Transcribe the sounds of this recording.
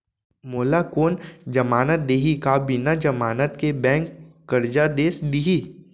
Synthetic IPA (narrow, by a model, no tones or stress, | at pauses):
moːlakoːnd͡ʒɐmaːnət̪̚d̪eːɦikabinad͡ʒɐmaːnət̪kebɛ̃ːŋkː | əɾd͡ʒad̪eːsd̪iɦiː